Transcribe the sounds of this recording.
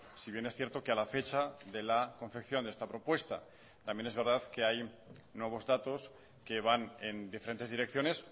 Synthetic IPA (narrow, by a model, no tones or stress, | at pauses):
siβje̞ne̞sθje̞ɾt̪o̞kealafe̞t͡ʃaðe̞lako̞ɱfekθjo̞nd̪est̪apɾo̞pwe̞st̪a̰ | t̪ambje̞ne̞zβe̞ɾð̞aðke̞aj | nwe̞β̞o̞zðat̪o̞s | ke̞βane̞nd̪ifeɾe̞nt̪eðiɾek̚θjo̞nes